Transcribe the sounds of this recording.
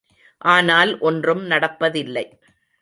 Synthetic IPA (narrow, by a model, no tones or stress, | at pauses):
ʔaːnaːlʔɔndrɯmnɐɽɐpːɐðɪlːɐɪ